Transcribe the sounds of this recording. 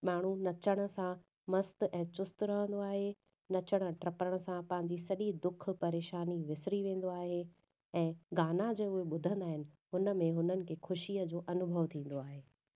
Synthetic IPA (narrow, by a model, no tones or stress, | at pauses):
maːɳ̤unɐt͡ɕəɽ̃ə̆sã | mɐst̪ʔɛ̃ːt͡ɕʊst̪ɾɐɦə̃nd̪oaːɦe | nɐt͡ɕəɽ̃ə̆ʈɾɐpɾəɽ̃əsãpɐ̃ɦɪ̃ɲ̆d͡ʑisɐʄid̪ʊk̆ʰpɐɾeːʃaːniʋɪsɪɾiʋẽːn̆d̪oaːɦe | ɛ̃ːɡaːnad͡ʑeːʊɦeɓʊd̪ʱə̃nd̪aːɦɪnɪ̆ | ɦʊnə̆mẽɦʊnənɪ̆kʰeːxʰʊʃiəd͡ʑoːʔɐnʊbʱəʋt̪ʰĩːn̆d̪oaːɦeː